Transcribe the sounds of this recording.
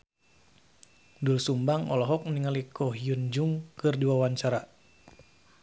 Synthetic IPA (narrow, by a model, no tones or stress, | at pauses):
dulsumbaŋɔ̰lɔɦɔk̚niŋalikʰɔɦijund͡ʒuŋkɨrdiwawaɲt͡ʃaɾa